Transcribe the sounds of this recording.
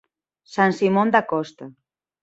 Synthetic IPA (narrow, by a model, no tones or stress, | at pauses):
sansimõnd̪akɔst̪a